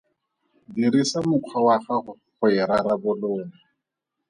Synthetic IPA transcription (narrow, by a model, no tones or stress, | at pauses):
diɾisamʊkʰwawaχaχʊ | χʊɛɾaɾabʊloːŋa